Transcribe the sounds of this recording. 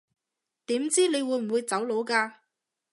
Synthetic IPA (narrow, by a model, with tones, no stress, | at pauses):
t̪iː˨˥mt͡siː˥ne˨˧jwuː˨˧jm̩˨˩wuː˨˧jt͡sɐ˨˥wlo˨˧˥wkaː˧